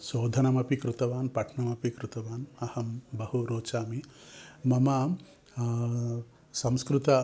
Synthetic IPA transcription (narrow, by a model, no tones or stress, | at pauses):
soːd̪ʱɐnɐmɐpikɾut̪ɐʋaːnpɐʈʰɳɐmɐpikɾut̪ɐʋaːnɐhɐmbɐhuɾoːt͡ʃaːmimɐmɐ | sɐmskɾut̪ɐ